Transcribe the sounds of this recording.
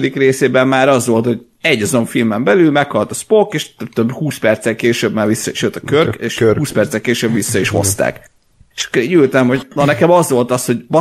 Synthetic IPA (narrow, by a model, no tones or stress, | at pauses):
d̪ikreːseːbɛmːaːɾɒzʋo̞lt̪hoɟ | ɛɟːɒzoɱfilmɛmbɛlylmɛkhɒlt̪ɒspokeːʃt̪øbt̪øbhuːspɛrt̪sɛlkeːʃøːbmaːvisːɒiʃøːt̪ɒkørkeːʃuːspɛrt̪sɛlkeːʃøːbʋisːɒiʃho̞̰st̪a̰ːk | eʃɒ̥kːoɾeːɟylt̪ɛmho̞ɟnonɛkɛmɒzʋo̞lt̪ɒsho̞ɟbɒ